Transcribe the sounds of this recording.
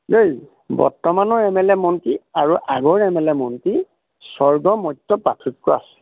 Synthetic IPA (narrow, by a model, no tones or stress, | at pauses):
loj | bɔ̰ɹtɔmanɔɹɛmɛlɛmɔntiaɹuʔaɡɔɹɛmɛlɛmɔnti | sɔɹɡɔmɔjtːɔpatʰut̚kɔa̰sɛ̥